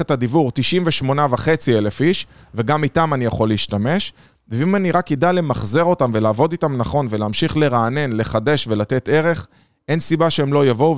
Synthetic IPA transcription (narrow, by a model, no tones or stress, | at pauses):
et̪ad̪ivuʁt̪iʃimveʃmo̞navaχe̞t͡sielefiʃ | ve̞ɡamitamanijaχo̞liiʃtame̞ʃ | veimaniʁakidajle̞maχze̞ʁo̞tamve̞laːvo̞ditamnaχo̞nve̞leːmʃiχle̞ʁaːne̞nle̞χade̞ʃve̞lat̪e̞t̪e̞ʁe̞χ | ʔe̞nsibaʃeemlo̞javo̞u